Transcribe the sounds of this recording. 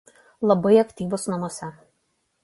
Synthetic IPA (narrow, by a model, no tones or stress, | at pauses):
lˠɐbɐɪɐkʲt̪ʲiːʋʊsnɐmoɔsʲɛ